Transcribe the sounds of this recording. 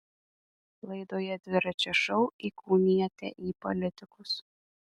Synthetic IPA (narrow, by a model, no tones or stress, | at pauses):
lˠɐɪd̪oːjɛd̪ʲʋʲɪɾɐt͡ʃʲɛʃɔʊiːkuːmʲiɛt̪ʲɛ̰ʔiːpɔ̰lʲɪt̪ʲɪkʊs